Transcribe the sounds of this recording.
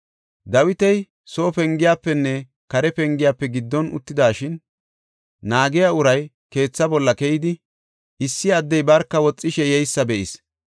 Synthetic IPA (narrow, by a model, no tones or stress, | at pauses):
d̪ɐwɪt̪ɛj | so̞ːpɛŋɡɪjaːpːɛnːɛ | kɐɾɛpɛŋɡɪjaːpːɛɡɪd̪ːɔnʊ̰t̪ːɪd̪aːʃɪn | naːɡɪjaʊɾɐj | ke̞ːt͡sːɐbɔlːɐkɛjɪd̪ɪ | ɪsːɪɐd̪ːɛjbɐɾkːɐwɔt͡sʼːɪʃɛjɛjsːɐbɛʔɪs